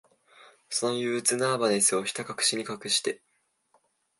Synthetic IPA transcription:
so̞no̞jɯːt͡sɨnaːbanesɨo̞çʲi̥t̪akakɯ̟̥ɕiɲ̟ikakɯ̟ɕi̥t̪e̞

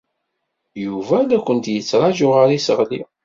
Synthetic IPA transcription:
juvælækʷːənt̪jət͡sːɾˤɑʒʊʁəɾisəʁlḭ

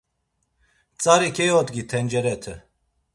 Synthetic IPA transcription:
t͡sʼaɾikʰɛjɔt̪ɡit̪ʰɛnd͡ʒɛɾɛt̪ʰə

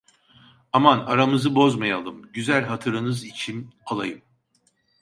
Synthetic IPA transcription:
amanaɾamɯzɯbo̞zmajalˠɯmɟyzælʲɦat̪ʰɯɾɯnɯzit͡ʃʰinalˠajɯm

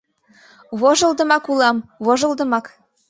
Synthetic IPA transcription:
βoʒɤ̆lˠd̪ə̆mɑkulɑmβoʒɤ̆lˠd̪ɤ̆mɑk

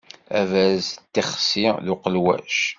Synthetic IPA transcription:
ævæzt̪ːiχsilʊqəlwæ̰ʃ

